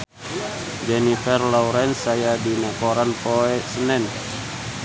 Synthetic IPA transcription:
d͡ʒɛnifɛrlɔwɾɛnsajadinakɔɾanpoɛsənɛn

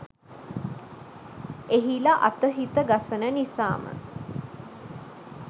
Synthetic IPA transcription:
eɦilaʔa̰t̪əɦit̪əɡasənənisa̰ːmə̰

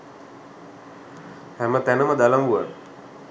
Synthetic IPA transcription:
hɛmət̪ænəməd̪alamɡuə̰n

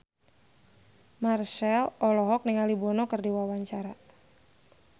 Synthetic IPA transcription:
marʃɛlɔlɔɦɔk̚niŋalibɔnɔkərdiwawaɲt͡ʃaɾa

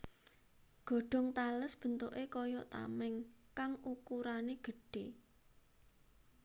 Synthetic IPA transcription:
ɡ̥ɔ̤ɖ̥ɔ̤ŋt̪aləsb̥ə̤nt̪oʔekɔjɔʔt̪a̰mɛŋkaŋukuɾaneɡ̥ə̤ɖ̥e

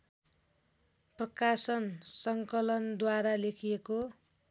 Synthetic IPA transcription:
prʌkasʌnsʌŋkʌlʌnd̪waɾalekʰieko

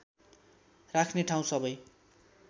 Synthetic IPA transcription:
rakʰneʈʰaw̃sʌbʌj

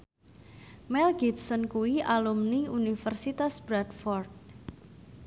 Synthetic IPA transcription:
mɛlɡipsɔnkuwiʔalumniunifərsit̪asb̥ɾadfɔrd̚

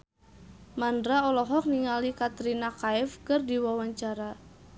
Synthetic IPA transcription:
mandɾaɔlɔɦɔk̚niŋalikat̪ɾinakaɛfkərdiwawaɲt͡ʃaɾa

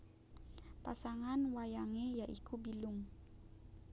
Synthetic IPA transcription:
pasaŋanwajaŋejaʔikubilʊŋ

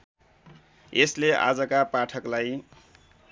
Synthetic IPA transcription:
eslea̰d͡zʌkapaʈʰʌklaj

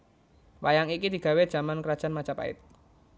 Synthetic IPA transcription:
wajaŋikid̪̥i̤ɡ̥a̤wed̥ʒ̥a̤mankəɾad̥ʒ̥anmḁt͡ʃapa̰ɪ̰t̪̚

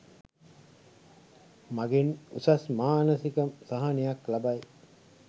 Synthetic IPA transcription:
maɡenusasmaːnəsikəmsaɦanejaklabaj

